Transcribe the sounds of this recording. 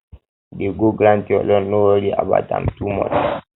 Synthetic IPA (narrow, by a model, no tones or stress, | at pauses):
ɗɛɡoɡɾantiɔlɔnːɔwaɾia̰ba̰ta̰mtumɔ̰t